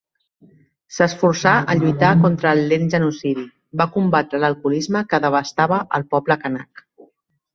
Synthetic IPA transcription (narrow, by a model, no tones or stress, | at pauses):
səsfuɾsaʔəʎujt̪akont̪ɾəːlːenʒənusiði | bakumbat̪ɾələlˠkulizməkəðəβəst̪aβəʔəlˠpɔbləkəna̰k